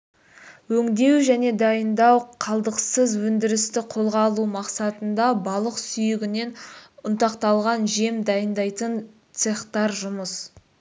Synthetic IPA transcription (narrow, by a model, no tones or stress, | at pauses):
wɵŋd̪e̞wʒæne̞d̪ɑjənd̪ɑwqʰɑlˠd̪əqsəzwɵnd̪ɪɾɪst̪ɪqʰo̞lˠʁɑlˠumɑqsɑt̪ənd̪ɑbɑlˠəqsʏjɪɡʲɪne̞nʊnt̪ɑqt̪ɑlˠʁɑnʒe̞md̪ɑjənd̪ɑjt̪ən | t̪seχt̪ɑɾʒʊməs